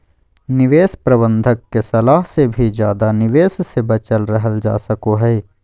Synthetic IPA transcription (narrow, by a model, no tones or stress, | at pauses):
nɪʋeːspɾɐbə̃nd̪ʱəkːesɐlaːɦsebʱid͡ʒjaːd̪anɪʋeːssebɐt͡ʃəlɾɐɦəld͡ʒa̰ːsəkoɦɛː